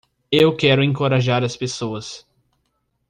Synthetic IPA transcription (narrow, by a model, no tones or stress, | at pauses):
ewkɛɾʊẽŋkoɾaʒaɾɐspesoɐs